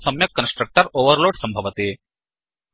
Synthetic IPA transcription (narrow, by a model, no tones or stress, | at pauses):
sɐmjɐkːənsʈɾək̚ʈəɾoʋəɾloːɽsɐmbʱɐʋɐt̪e